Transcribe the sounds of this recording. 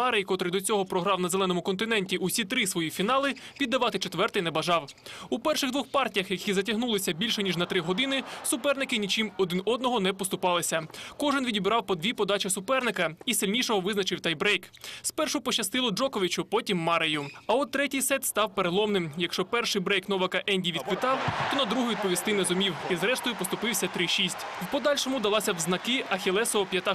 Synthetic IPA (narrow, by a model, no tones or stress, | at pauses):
ɑɾejkɔt̪ɾɪd̪ɔt͡sʲɔɦɔpɾɔɦɾɑwnɐzelˠɛnɔmʊkɔnt̪ɪnɛnʲtʲiʔusʲit̪ɾɪsʋɔjifʲinɑlˠɪʋʲid̪ːɐʋɑt̪ɪt͡ʃet̪ʋɛrt̪ɪjnɛbɐʒɑwupɛrʃɪɣd̪ʋɔxpɑrtʲijɐxjɐkʲizɐt̬ʲɐɦnulˠɪsʲɐbʲilʲʃɛnʲiʒnɐt̪ɾɪɦɔd̪ɪnɪsʊpɛrnɪkɪnʲit͡ʃimɔd̪ɪnɔd̪nɔɦɔnɛpɔst̪ʊpɑlˠɪsʲɐkɔʒɪnʋʲidʲibɾɑwpɔd̪ʲʋʲipɔd̪ɑt͡ʃɪsʊpɛrnɪkɐisʲilʲnʲijʃɔɦɔʋɪznɐt͡ʃɪwt̪ɛjbɾɛjkspɛrʃʊpɔt͡ʃɐst̪ɪlˠɔd͡ʒɔkɔʋʲit͡ʃʊpɔtʲimːɑɾɪjʊɐɔt̪ɾɛtʲijsɛt̪st̪ɑwpeɾelˠɔmnɪmjɐkʃt͡ʃɔpɛrʃɪjbɾɛjknɔʋɐkɐʔɛnʲdʲiʋʲid̪̚pɪt̪ɑwt̪ɔnɐd̪ɾuɦɔjʋʲid̪̚pɔʋʲist̪ɪnɛzʊmʲiwizɾɛʃt̪ɔjʊpɔst̪ʊpɪwsʲɐt̪ɾɪʃisʲtʲwpɔd̪ɑlʲʃɔmʊd̪ɐlˠɑsʲɐwznɐkɪɐxʲelˠɛsɔɔpʲjɐt̪ɑ